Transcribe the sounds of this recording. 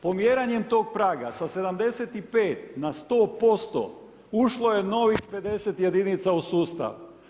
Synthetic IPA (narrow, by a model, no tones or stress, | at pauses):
po̞mjeːɾaɲe̞mt̪o̞ːɡ̚pɾaːɡa̰sase̞d̪amd̪e̞set̪ipe̞ːt̪nast̪o̞ːpo̞st̪o̰ | uʃlo̞je̞no̞ʋixpe̞d̪e̞set̪je̞d̪init̪sausuːst̪a̰ʋ